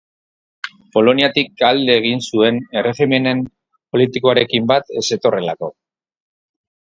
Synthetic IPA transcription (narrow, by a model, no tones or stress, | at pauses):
po̞lo̞niat̪ik̚ald̪e̞ːɣ̞insue̞ne̞re̞xime̞ne̞m | po̞lit̪iko̞aɾe̞kimbat̪e̞se̞t̪o̞re̞lako̞